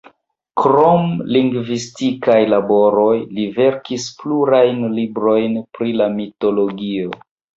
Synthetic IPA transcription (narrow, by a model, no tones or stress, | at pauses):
kɾomliŋɡvistikajlabo̞ɾo̞jlive̞ɾkispluɾajnlibɾo̞jnpɾilamito̞lo̞ɡio